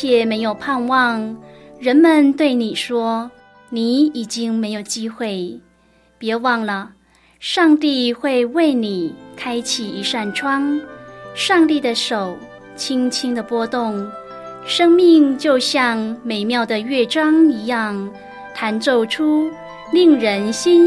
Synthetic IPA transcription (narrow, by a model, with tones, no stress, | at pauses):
jɛ˨˩me˧˥ɪjo˨˩ʊpʰa˥˧nwɑ˥˩ŋɻə˧˥nmə˨˧nt̪we˥˩ɪni˨˩ʂwɔ˥ | ni˨˩˦i˨˩t͡ɕi˥ŋme˧˥ɪjo˨˩ʊt͡ɕi˥xwe˥˩ɪ | pjɛ˧˥wɑ˥˩ŋlə˩ | ʂɑ˥˧ŋt̪i˥˧xwe˥˧ɪwe˥˩ɪni˨˩kʰa˥ɪt͡ɕʰi˨˩i˧˥ʂa˥˩nʈ͡ʂʰwɑ˥ŋ | ʂɑ˥˧ŋt̪i˥˩d̪ə˩ʂo˨˩ʊ | t͡ɕʰi˥ŋt͡ɕʰi˥ŋd̪ə˨pwɔ˥t̪ʊ˥˩ŋ | ʂɤ˥ŋmi˥˧ŋt͡ɕjo˥˧ʊɕjɑ˥˧ŋme˨˩ɪmjɑ˥˩ʊd̪ə˩ɥɛ˥˩ʈ͡ʂɑ˥ŋi˧˥jɑ˥˩ŋ | t̪ʰa˧˥nt͡so˥˩ʊʈ͡ʂʰu˥ | li˥˩ŋɻə˧˥nɕi˥n